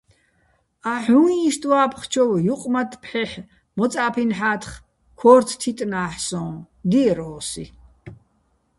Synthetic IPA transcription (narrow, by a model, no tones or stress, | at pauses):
aħũĩʃt̪ʼwaːpʰχt͡ʃʰɔwjuqʼmat̪ʰʼpʰħɛħ | mɔt͡sʼaːpʰinħaːt̪ʰχ | kʰɔːɾt̪ʰt̪ʰit̪ʼnaːħsɔ̃ː | d̪iɾɔːsi